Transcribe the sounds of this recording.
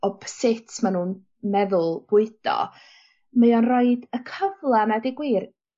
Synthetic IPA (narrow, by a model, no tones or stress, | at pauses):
ɔb̥sɪtʰmanuːn | mɛðʊlˠb̥ʊɨd̥ɔ̰ | məjɔnrɔɨdəkʰəvlˠanadɪɡwiːr